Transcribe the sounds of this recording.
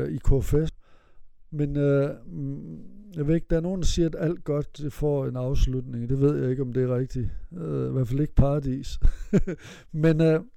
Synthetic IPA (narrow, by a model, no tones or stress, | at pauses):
ikʰofes | menø | jɑ̈ɪʋe̝e̝ɡ̥d̥æɐno̝ːnd̥ɑsiːɐædæl̰d̥̚ɡ̥ɒ̽d̥d̥efɒ̰e̝nɑ̈ʊslud̥ne̝ŋd̥e̝ʋe̝ð̞̰ˠjɑ̈ɪe̝ɡ̥əɒ̽md̥e̝æɐʁeɡ̥̚d̥iiʋæɐfæle̝ɡ̥əpʰɑ̈ːd̥ḭːs | menø